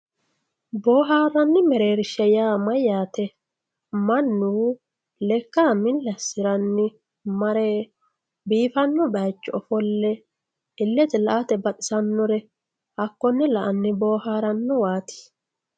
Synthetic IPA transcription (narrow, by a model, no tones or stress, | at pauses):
bo̞ːɦaːɾːɐnːɪmɛɾe̞ːɾɪʃɛjaːmɐjaːt̪ɛ | mɐnːuː | lɛkːaːmɪlːɛsɪɾɐnːɪ | mɐɾeː | biːfɐnːɔbɐjt͡ʃːɔɔfɔlːɛ | ɪlːɛt̪ɛlɐʔat̪ɛbɐt̪ʼɪsɐnːɔɾɛ | ʔɐkːɔnːɪlɐʔɐnːɪbo̞ːhaːɾɐnːɔwaːt̪ɪ̥